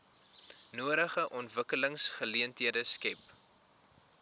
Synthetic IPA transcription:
nuəɾəχəʔɔntvəkələŋsχəliəntɦiədəskɛp

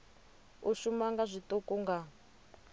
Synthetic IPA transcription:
uʃumaŋɡazʷitɔkɔŋɡa

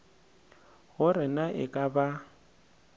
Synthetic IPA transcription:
ɣʊrɪnaʔɪ̰kʼaba

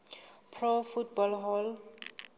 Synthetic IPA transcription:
pʰrɔfutbɔlɦɔl

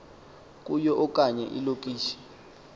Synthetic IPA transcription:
k̬ʼujɔʔɔkʼaɲɛ̰ʔḭlokʼiːʃɛ̥

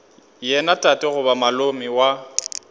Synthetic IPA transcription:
jɛnatʼatʼɪɣʊbamalomiwa

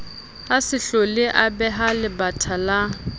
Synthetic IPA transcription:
hasɪɬɔlɪʔabɛɦalɪbatʰala

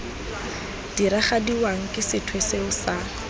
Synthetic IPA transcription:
d̥iɾaχadiwaŋ̩kʼɪsɪtʰweseʊsaː

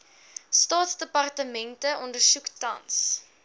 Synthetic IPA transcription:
stɑːtsdəpɐrtəmɛntəʔɔndərsuktɐ̰ns

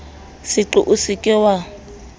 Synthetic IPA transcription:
sɪǃʊʔusɪkʼɪwa

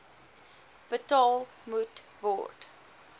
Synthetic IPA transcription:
b̥ətɑːlˠ | mutbɔ̰t

